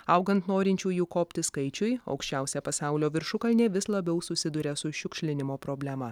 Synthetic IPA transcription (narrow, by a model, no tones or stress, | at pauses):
ɐʊɡɐnt̪noːɾʲɪnʲt͡ʃʲuːjuːkoːpʲt̪ʲɪskɐɪt͡ʃʲʊjɐ̰ʊkʃʲt͡ʃʲɛʊsʲɛpɐsɑˑʊlʲoːʋʲɪɾʃʊkɐlʲnʲeːʋʲɪslˠɐbʲɛʊsʊsʲɪd̪ʊɾʲɛsʊʃʲʊkʃʲlʲɪnʲɪmoːpɾoːbʲlʲæmɐ